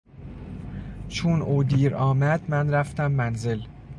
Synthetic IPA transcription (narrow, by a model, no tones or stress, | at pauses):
t͡ʃʰunʔoːd̪iːɾɒːmæd̪mænɾæft̪æmːænzel